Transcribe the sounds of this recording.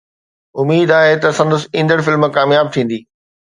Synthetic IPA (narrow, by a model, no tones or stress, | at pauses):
ʊmiːd̪aːɦet̪ɐsɐ̃nd̪əsĩnd̪əɽfɪlmkaːmjaːb̚t̪ʰĩːn̆d̪iː